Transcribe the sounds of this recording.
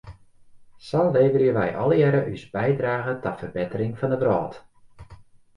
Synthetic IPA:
sɔleːvərjəʋɛjʔɔ̰lˠəɛɾəʔysbɛjdraːɣətɔtfərbɪtərɪŋfɑndəbrɔːt

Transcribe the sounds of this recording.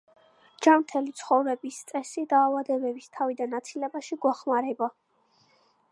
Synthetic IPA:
d͡ʒamt̪ʰɛlit̪sʰχɔvɾɛbist̪sʼɛsid̪aːvad̪ɛbɛbist̪ʰavid̪anat̪sʰilɛbaʃiɡwaχmaɾɛba

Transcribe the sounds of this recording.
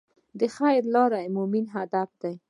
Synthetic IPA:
d̪əxajɾlɑɾajmuminɦad̪afd̪aj

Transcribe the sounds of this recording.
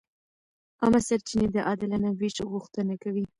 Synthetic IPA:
ɑmasaɾt͡ʃined̪əʔɑd̪ɪlanawiʃɣuxt̪ənakawi

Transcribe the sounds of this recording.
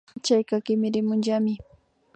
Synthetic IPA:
t͡ʃajkakɪmɪɾɪmʊnʒamɪ

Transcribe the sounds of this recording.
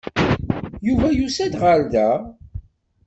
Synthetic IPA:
juvæjusæd̪ʁald̪æ

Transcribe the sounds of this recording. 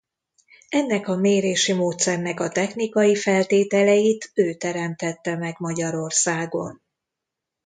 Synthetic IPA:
ɛnːɛkɒmeːɾeːʃimoːt̪sɛrnɛkɒt̪ɛxnikɒjifɛlt̪eːt̪ɛlɛjit̪øːt̪ɛɾɛmt̪ɛt̪ːɛmɛɡmɒɟɒɾo̞rsaːɡo̞̰n

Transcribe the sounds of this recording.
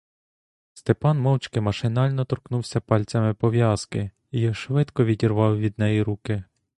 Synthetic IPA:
st̪epɑnmɔwt͡ʃkɪmɐʃɪnɑlʲnɔt̪ɔɾknuwsʲɐpɑlʲt͡sʲɐmɪpɔʋjɑskɪ | ijɔʃʋɪt̪kɔʋʲidʲirʋɑwʋʲid̪̚nɛjiɾukɪ

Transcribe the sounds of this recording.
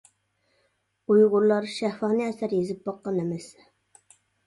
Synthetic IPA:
ujʁʊɾlˠɑɾʃæhfɑhnɨɛsæɾjezɪp̚bɑqːɑnɛmɛs

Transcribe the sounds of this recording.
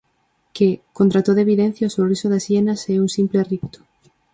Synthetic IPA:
kekont̪ɾat̪oðeβiðẽn̟θjaosorisoðasjenaseuŋsimplerip̚t̪o̥

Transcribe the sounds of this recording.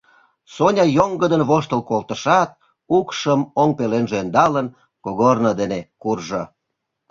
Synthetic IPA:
sonʲɑjoŋɡəd̪ənβoʃt̪əlkolt̪əʃɑt̪̚ | ukʃəmoŋpelenʒeːnd̪ɑlən | koɣornəd̪enekurʒo

